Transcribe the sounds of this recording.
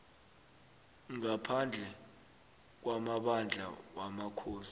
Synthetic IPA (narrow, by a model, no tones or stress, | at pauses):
ŋapʰand͡ɮʱɛ | k̬wamaɓand͡ɮʱa̰wamakʰoːsi̥